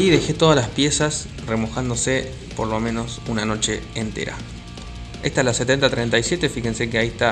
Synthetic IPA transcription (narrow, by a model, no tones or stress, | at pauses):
jiðe̞xet̪o̞ð̞alaspje̞sas | remo̞xand̪o̞se | po̞ɾlo̞mẽ̞no̞sunano̞t͡ʃe̞ːnt̪ḛɾa̰ | e̞st̪aelaset̪e̞nt̪at̪ɾejnt̪ajsje̞t̪efixense̞k̬eaist̪a